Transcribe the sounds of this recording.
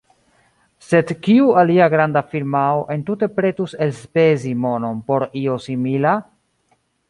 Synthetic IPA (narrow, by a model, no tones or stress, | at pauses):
se̞dkiualiaɡɾandafiɾmaoʔe̞ntute̞pɾe̞tuse̞lspe̞zimo̞no̞npo̞ɾio̞simila